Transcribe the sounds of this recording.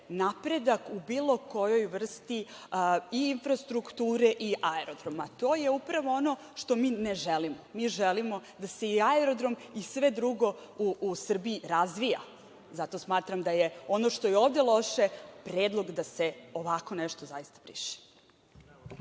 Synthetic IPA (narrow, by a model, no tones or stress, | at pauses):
napɾe̞d̪akubiːlˠo̞ko̞jo̞jʋr̩st̪i | iinfɾast̪ɾukt̪uːɾeʔiʔaeɾo̞d̪ɾo̞mat̪o̞ːjeupɾaʋo̞ono̞ | ʃt̪o̞miːneʒelimomiːʒelimo̞d̪ase̞iaeɾod̪ɾo̞misʋe̞d̪ɾuɡo̞uːsr̩biːɾazʋija̰ | zat̪o̞smaːt̪ɾamd̪ajeo̞noʃt̪o̞jeoːvd̪elˠo̞ʃepɾeːd̪lˠo̞ɡd̪aseo̞ʋako̞neʃt̪ozajist̪ḁbɾḭʃe̥